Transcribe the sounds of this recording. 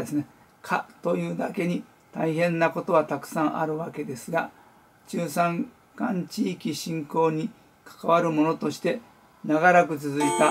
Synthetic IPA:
esɨne | kʰa̰t̪o̞jɯːd̪a̰ke̞ɲ̟i | t̪aiɦẽ̞nːako̞t̪o̞β̞at̪akɯ̟̥sãɰ̃ʔa̰ɾɯ̟βake̞d̪e̞sɨɡa | t͡ɕɨːsãŋ | kãɲ̟t͡ɕiːkʲiɕĩŋko̞ːɲ̟i | kʰḁkaβaɾɯ̟mo̞no̞t̪o̞ɕi̥t̪e̞ | naɡaɾakɯ̟t͡sɨzɨit̪a

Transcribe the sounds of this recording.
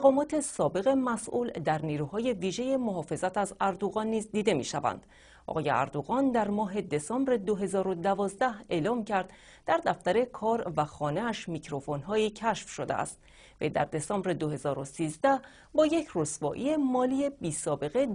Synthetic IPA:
mæɣɒːmɒːt̪ʰe̞sɒːbe̞ɣemæsʔuːld̪æɾniːɾuːhɒːje̞viːʒe̞je̞moɦɒːfe̞zæt̪ʰæzæɾd̪oɣɒːnːiːzd̪iːd̪e̞mḭːʃævæ̰nd̪̥ | ʔʔɒ̰ɣɒːjḛæ̰ɾd̪oɣɒːnd̪æɾmɒːɦe̞d̪e̞sɒːmbɾed̪oɦe̞zɒːɾo̞d̪ævɒːzd̪æhe̞ːlɒːmcʰæɾd̪̥ | d̪̥æɾd̪æft̪æɾe̞kʰɒːɾvæxɒːneæʃmicʰɾo̞fo̞nɦɒːicʰæʃfʃo̞d̪ḛʔæ̰st̪̚ | vḛjd̪æ̰ɾd̪e̞sɒːmbɾed̪ohe̞zɒːɾosiːzd̪æh | bɒːje̞cʰrosvɒːʔḭemɒːlijebiːsɒːbe̞ɣe

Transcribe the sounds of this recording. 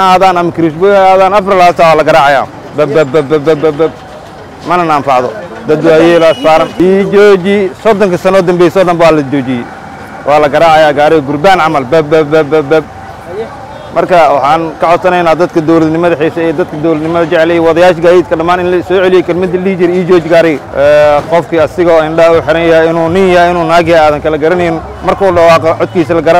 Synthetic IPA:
aːðaːnɐmɐkʰɪɾɪsbɔɐaːðaːnɐfɾɪlhaːsaːwaːlɐɡɐɾaːʕɑja̰ː | bɐbɐbɐbɐbɐbɐbɛb̚ | mɐnɐnanfɑʕðɔ̰d̪ɐd̪ʊɐjɛlɐsfaːɾɐnid͡ʒɔːd͡ʒisɔd̪ɔŋkʰɐsɐnɔːd̪ɐmbɛːjsɔd̪ɐmbwaːlɐd͡ʒɔːd͡ʒɪjɛ | wʔɑːlɐɡɐɾaːʕɑjaːɡaːɾɛɡʊrbaːnʕɑmɐlbɐbbɐbɐbɐbɐb̚ | mɐrkʰɐwɑħɑːnkʰɐʕɔd̪sɐnɛjnaːd̪ɐd̪kʰɐd̪ɔwlɐd̪nɪmɐðɐħɛːsɐɛːd̪ɐd̪kʰɐd̪ɔwlɐd̪nɪmɐðɐt͡ʃɛʕlɛjwɑðɐjaːʃɡaːiːd̪̚kʰɐɖɐmaːnɪnlɐsɔːʕɛlɪjɛjkʰɐlmɐd̪ɪlihd͡ʒɪɾɛiːd͡ʒɔːd͡ʒɪɡaːɾɛjɛːqɔfkʰiɐsɪɣɔːɪnɖɐuːħɪɾɐnjɐhɛjɪnuːnɪnjɐhɛɪnuːnaːɣaːðɐŋkʰɐlɐɡɐɾɐnɛjɪn | mɐrkʰɔuːɖɑwɑːqɔʕɔd̪̚kʰiːsɐlɐɡɐɾa

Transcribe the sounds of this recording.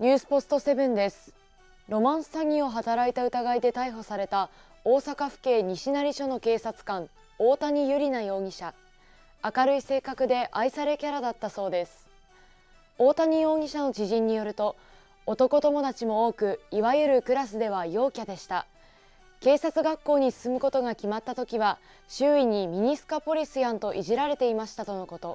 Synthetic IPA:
ɲ̟ʲɨːsɨ̥po̞sɨ̥t̪o̞se̞bɯ̟̃nd̪e̞sɨ̥ | ɾo̞mãɰ̃sɨ̥saɡʲĩo̞ɦat̪aɾait̪aɯ̟t̪aɡaid̪e̞t̪aiɦo̞saɾe̞t̪a | o̞ːsakaɸɯ̟̥ke̞ːɲ̟iɕinaɾʲiɕo̞no̞ke̞ːsat͡sɨ̥kãŋ | o̞ːt̪aɲ̟ijɯ̟ɾʲinajo̞ːɡ̟ʲiɕa | akaɾɯ̟ise̞ːkakɯ̟d̪e̞ʔaisaɾe̞kʲaɾad̪at̪ːaso̞ːd̪e̞sɨ̥ | o̞ːt̪aɲ̟ijo̞ːɡʲiɕano̞d͡ʑiʑĩɲ̟ːijo̞ɾɯ̟t̪o̞ː | t̪o̞ko̞t̪o̞mo̞d̪at͡ɕimo̞o̞ːkɯ̟iβajɯ̟ɾɯ̟kɯ̟ɾasɨd̪e̞βajo̞ːkʲad̪e̞ɕi̥t̪a | ke̞ːsat͡sɨɡakːo̞ːɲ̟isɨ̥sɨmɯ̟ko̞t̪o̞ɡakʲimat̪ːat̪o̞kʲiβa | ɕɨːiɲ̟imʲiɲ̟isɨ̥kapo̞ɾʲisɨjãnt̪o̞ʔiʑiɾaɾe̞t̪e̞imaɕi̥t̪at̪o̞no̞ko̞t̪o̞

